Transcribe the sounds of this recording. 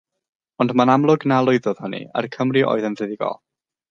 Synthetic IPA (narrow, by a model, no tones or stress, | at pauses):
ɔndmanamlˠʊɡnalˠʊɨðɔð̥hʊnḭa̰rkʰəmriʔo̰ːɨðənvɨðɪɡɔ̰lˠ